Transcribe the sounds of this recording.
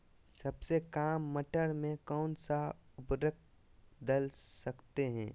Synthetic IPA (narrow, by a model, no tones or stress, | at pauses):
sɐbsekaːmːəʈəɾmẽkɔːnsaʊpɾək̚ | d̪əlsɐkt̪eɦɛ̰̃ː